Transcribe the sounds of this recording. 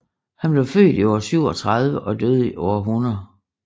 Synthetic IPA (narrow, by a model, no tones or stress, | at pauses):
hænb̥le̝ʊfø̰ːd̥iɒ̰ɐsyʊ̰ɒ̽t͡sʰʁɑð̞ˠʋəʔɒ̽d̥øð̞̩ˠiʔɒɐɦunɐð̩ˠ